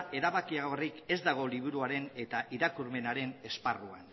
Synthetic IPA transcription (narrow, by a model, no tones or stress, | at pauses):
e̞ɾaβakiaɣo̞rike̞zd̪aɣ̞o̞liβ̞uɾuaɾe̞ne̞t̪aʔiɾakuɾme̞naɾe̞ne̞sparua̰n